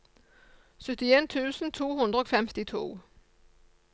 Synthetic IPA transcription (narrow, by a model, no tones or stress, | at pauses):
søtʰient͡sʰṵːsn̩t͡sʰo̝̰ːɦund̥̪ʁəɒfemd̥it͡sʰo̝̰ː